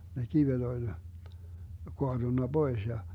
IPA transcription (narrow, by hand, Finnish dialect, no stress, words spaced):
ne kiʋet olʲ koɑd̥unːɑ b̥ois jɑ